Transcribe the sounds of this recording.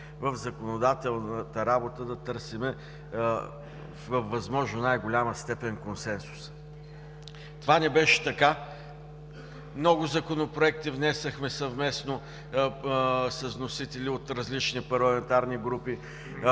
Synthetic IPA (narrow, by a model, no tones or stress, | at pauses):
vəvzɐkonod̪at̪ɛlˠnət̪əɾabot̪əd̪ɐt̪ɤɾsimɛ | fvəfːɐzmɔʒnonajɡʊlʲaməst̪ɛpɛnkonsɛnsu̥s | t̪ovanɛbɛʃɛ̥t̪ɐka | mnɔɡʊzɐkonopɾoɛk̚t̪ivnɛsɐxmɛsɐvmɛsno | sɐznosit̪ɛlʲiot̪ɾɐzlit͡ʃnipɐɾlˠɐmɛnt̪aɾniɡɾupi